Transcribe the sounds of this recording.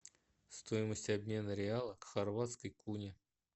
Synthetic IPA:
st̪o̞jɪməsʲtʲɐbʲmʲe̞nəɾʲɪalˠəkxɐrvat̪skəjkunʲɪ

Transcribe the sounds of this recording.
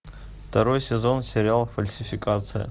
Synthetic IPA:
ft̪ɐɾo̞jsʲɪzo̞nsʲeɾʲɪalˠfɐlʲsʲɪfʲɪkʼat̪sʰɨjɐ̰

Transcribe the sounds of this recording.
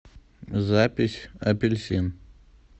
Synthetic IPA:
zapʲɪsʲɐpʲɪlʲsʲin

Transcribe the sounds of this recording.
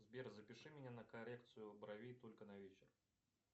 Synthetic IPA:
zbʲerzəpʲɪʂɨmʲɪnʲanəkɐɾʲek̚t̪sɨjʊbɾɐvʲit̪o̞lʲkənɐvʲet͡ɕɪr

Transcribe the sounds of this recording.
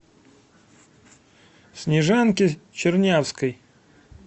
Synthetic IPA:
sʲnʲɪʐankʲɪt͡ɕɪrnʲafskəj

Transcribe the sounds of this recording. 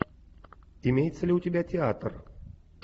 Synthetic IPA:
ɪmʲejt̪səlʲɪʊt̪ʲɪbʲætʲɪat̪r

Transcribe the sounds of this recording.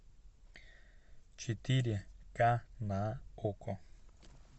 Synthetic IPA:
t͡ʃit̪iɾjakanaoko

